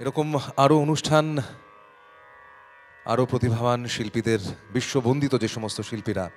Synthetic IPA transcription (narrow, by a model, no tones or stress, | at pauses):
eɾɔkomaɾoonuʃʈʰan | a̰ɾopɾot̪ibʱabanʃilpid̪eɾbiʃːobond̪it̪od͡ʑeʃɔmost̪ʰoʃilpiɾa